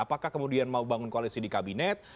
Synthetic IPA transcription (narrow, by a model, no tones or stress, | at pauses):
apakahkəmudianmaubaŋʊnkoalisidikabinɛt̪̚